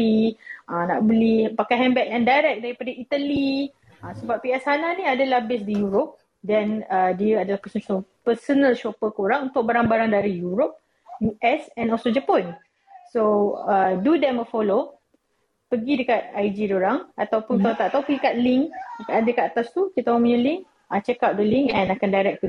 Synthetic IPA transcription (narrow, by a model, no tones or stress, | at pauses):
iʔãna̰ʔbulɪhpakajɦɛ̃mbɛk̚jãŋdajɾɛk̚daɾipadaʔit̪ali | ãsəbap̚ːiɛsananĩadəlahbɪsdijuɾop̚ | dɛnədiəadalahpəssopəsonəlʃopəkəoɾaŋũnt̪ʊk̚baɾaŋbaɾaŋdaɾijuɾop̚ | juʔɛsɛ̃nɔlsod͡ʒəpɔn | soədudɛməfɔlo | pəɡidəkat̪̚ajd͡ʒidoɾaŋat̪awpʊnt̪at̪aʔt̪awpəɡidəkat̪̚liŋkadəkat̪at̪ast̪ukit̪aɔmiɲə̃lɪŋ | at͡ʃəkap̚dəliŋɛ̃nakandajɾɛk̚k